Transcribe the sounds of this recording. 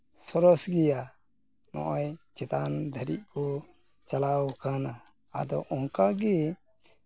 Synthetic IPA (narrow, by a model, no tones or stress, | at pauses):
sɔɾɔsɡija | nɔ̰̃ʔɔjt͡ʃɛt̪and̪ʱəɾit̪̚kɔ | t͡ʃalawkanaː | d̪ɔwʔɔŋkaɡɛ